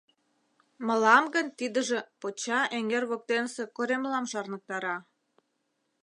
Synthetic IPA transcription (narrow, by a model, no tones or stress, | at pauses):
mə̆lɑmɡə̆nt̪id̪ə̆ʒĕpot͡ɕɑʔeŋerβok̚t̪ensekoɾemlɑmʃɑrnə̆k̚t̪ɑɾɑ